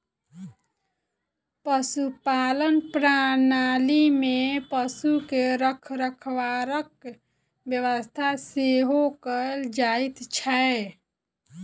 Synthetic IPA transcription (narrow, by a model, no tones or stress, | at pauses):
pəsupalənpɾanalimepəsukeɾəkʰɾəkʰʋaɾək̚ | bjəʋəst̪ʰaseɦokəld͡ʒait̪t͡ʃʰəe